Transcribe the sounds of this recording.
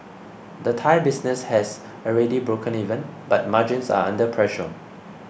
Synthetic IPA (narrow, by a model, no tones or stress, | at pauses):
dətʰajbisnɛshɛs | əɹɛdibɹokʰə̃nivə̃nbat̚mad͡ʒĩnsa̰ãndəpʰɹɛʃə̰